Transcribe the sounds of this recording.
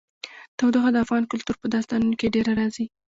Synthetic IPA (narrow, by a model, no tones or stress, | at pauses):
t̪awd̪oxad̪əafɣɑnkʊlt̪uɾpəd̪ɑst̪ɑnunokeɖeɾaɾɑzi